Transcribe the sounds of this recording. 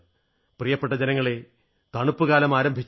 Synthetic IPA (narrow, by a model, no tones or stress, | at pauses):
prijɐpːe̞ʈːɐd͡ʑenɐŋːɐɭe | t̪ɐɳupːuɣaːlɐmaːɾɐmbʱit͡ɕː